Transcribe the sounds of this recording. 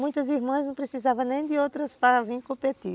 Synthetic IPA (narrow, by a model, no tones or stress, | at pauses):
mũj̃t̪ɐziɾmɐ̃znɐ̃w̃pɾesizavɐ̃nẽj̃d̪ɪowt̪ɾɐspaɐvĩj̃kõpet̪i